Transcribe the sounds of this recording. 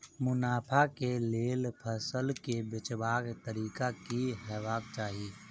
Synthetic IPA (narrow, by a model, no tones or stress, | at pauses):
mʊnaːpʰakeleːlpʰəsəlkebɪt͡ʃbaːɡt̪əɾiːkakiɦɛːʋaːk̚t͡ʃaːɦiː